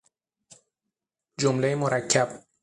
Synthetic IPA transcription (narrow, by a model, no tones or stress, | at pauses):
d͡ʒomlejemoɾæcʰːæb̥